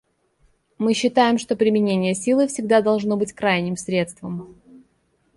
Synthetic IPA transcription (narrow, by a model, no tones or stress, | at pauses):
mɨɕːɪt̪ajɪmʂt̪o̞pɾʲɪmʲɪnʲenʲɪjəsʲilˠɨfsʲɪɡ̚d̪ad̪ɐlˠʐno̞bɨtʲkɾajnʲɪmsɾʲe̞t̪st̪vəm